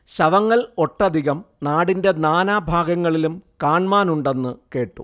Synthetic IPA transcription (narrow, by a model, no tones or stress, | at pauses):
ɕɐʋɐŋːɐɭo̞ʈːɐd̪ʱiɣɐmnaːɽinde̞naːnaːbʱaːɡɐŋːɐɭilumkaːɳmaːnuɳɖe̞nːɨke̞ːʈːṵ